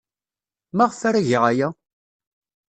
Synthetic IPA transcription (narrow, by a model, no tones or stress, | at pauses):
maʁfaɾæʝiʁajæ